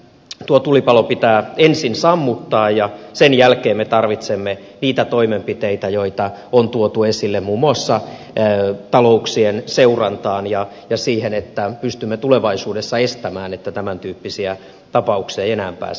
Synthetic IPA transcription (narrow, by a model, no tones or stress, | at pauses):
t̪uot̪ulipɑlopit̪æːensinsɑmːut̪ːɑːjjɑsenjælkeːmmet̪ɑrʋit̪semːe | niːt̪æt̪oimempit̪eit̪æjoit̪ɑont̪uot̪uesilːemmuːmuɑsːɑ | t̪ɑlo̞uksienseurɑnt̪ɑːnjɑ | jɑsiːhenet̪ːæpyst̪ymːet̪uleʋɑisuːdesːɑest̪æmæːnet̪ːæt̪æmænt̪yːpːisiæ | t̪ɑpɑuksieenæːmpæ̰ːs